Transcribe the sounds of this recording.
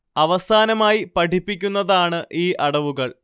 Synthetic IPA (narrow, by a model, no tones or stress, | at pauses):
ɐʋɐsaːnɐmaːjipɐʈʰipːikʲːunːɐðaːɳɨʔiːʔɐɽɐʋuɣɐɭ